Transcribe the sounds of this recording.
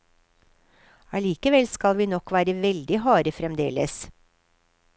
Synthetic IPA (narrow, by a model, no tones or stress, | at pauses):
ɑliːkəʋɛlskɑlʋiːnɔkʋæːɾəʋɛld̪ɪhɑːɾəfɾɛmd̪ḛːlə̰s